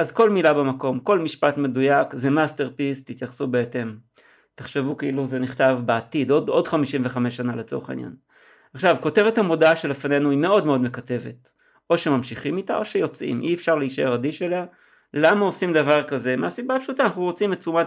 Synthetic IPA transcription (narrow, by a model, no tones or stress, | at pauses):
azko̞lmilabemako̞mko̞lmiʃpatme̞dujakze̞maste̞ʁpist̪it̪jaχsubeete̞m | te̥χʃevukeiluzeniχtavbeat̪idodo̞dχamiʃimveχameʃːanalet͡so̞ʁeχaḭnja̰n | aχʃavko̞tevethamo̞daaʃe̞lefane̞nuime̞o̞dmeo̞d̪mekate̞ve̞t | ʔo̞ʃe̞mamʃiχimita̰ʔo̞ʃejo̞t͡sʔḭmʔiefʃaʁleiʃeaʁadiʃe̞lea | lamao̞simd̪avaʁkaze̞measibapʃut̪aːnaχnuʁo̞t͡simet͡suma